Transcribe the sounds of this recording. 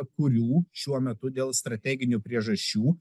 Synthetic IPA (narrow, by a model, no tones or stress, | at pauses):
kʊɾʲuːʃʲuɔmʲɛt̪ʊd̪ʲeːlˠst̪ɾɐt̪ʲæɡʲɪnʲupʲɾʲiɛʒɐʃʲt͡ʃʲuː